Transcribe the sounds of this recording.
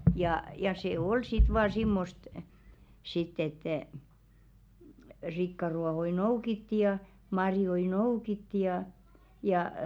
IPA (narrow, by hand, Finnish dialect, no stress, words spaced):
jɑˑ jɑ se ol sit ʋɑː simːost sitː etːɛˑ rikːɑruɑhoi noukitːi jɑ mɑrjoi noukitːi jɑ jɑˑ